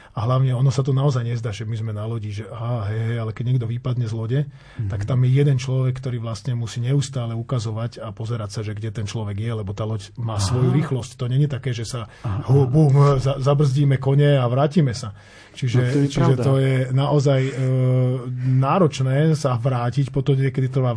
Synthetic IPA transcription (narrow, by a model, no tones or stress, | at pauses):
aɦlaʊɲɛɔnɔsat̪ɔnaɔzajɲɛzd̪aːʒɛmizmɛnalɔɟiʒɛʔaːɦɛjɦɛjalɛkɛɟɲɛɡd̪ɔʋipad̪ɲɛzlɔɟɛ | t̪akt̪amjɛjɛd̪ɛnt͡ʃlɔʋɛkːt̪ɔɾiːʋlast̪ɲɛmusiːɲɛust̪aːlɛukazɔʋacapɔzɛɾacsaʒɛɡɟɛt̪ɛnt͡ʃlɔʋɛɡjɛlɛbɔt̪aːlɔcmaːsʋɔjuɾiːxlɔsct̪ɔɲɛɲɛt̪akɛːʒɛsaɦubumzazabr̩zɟiːmɛkɔɲɛaʋɾaːciːmɛsa | t͡ʃiʒɛt͡ʃiʒɛt̪ɔjɛnaʔɔzaj | naːɾɔt͡ʃnɛːsaʋɾaːcicpɔt̪ɔmɲɪɛkɛd̪it̪r̩ʋa